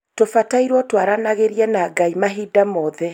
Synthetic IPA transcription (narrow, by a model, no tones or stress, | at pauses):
tofataiɾwɔtwaɾanaɣeɾiɛnaːɡaimaɦidamɔðɛ